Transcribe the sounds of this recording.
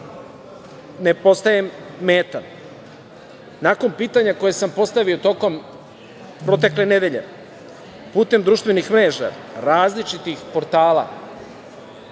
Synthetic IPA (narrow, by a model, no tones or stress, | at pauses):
nepo̞st̪ajemːeːt̪an | nako̞npiːt̪aɲako̞jesampo̞st̪aʋiot̪o̞ko̞m | pɾo̞t̪̬e̞kle̞ne̞d̪e̞ʎe̞̰ | puːt̪e̞md̪ɾuʃt̪ʋe̞nixmɾe̞ːʒa̰ | ɾaːzlit͡ʃit̪ixpo̞ɾt̪aːla̰